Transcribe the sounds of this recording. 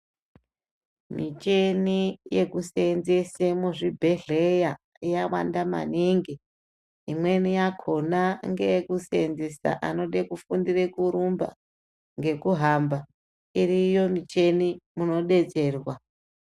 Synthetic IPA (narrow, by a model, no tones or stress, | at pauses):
mit͡ʃe̞nije̞kusenzesemuʐibʱe̞ɮeja | ijawa̰ndama̰niŋɡi | imwe̞nijakʰo̞naŋɡekusenzesa̰ʔa̰no̞ɗekufundirekuɾumba̰ | ŋɡe̞kuɦamba | irijo̞mit͡ʃe̞nimuno̞ɗe̞t͡se̞ːrwa